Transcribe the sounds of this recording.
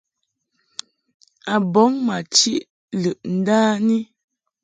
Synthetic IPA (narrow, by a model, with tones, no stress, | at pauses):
a˨bɔ˨˦ŋma˨t͡ʃi˦ʔ | lə˨ʔn̩˦daː˦ni˦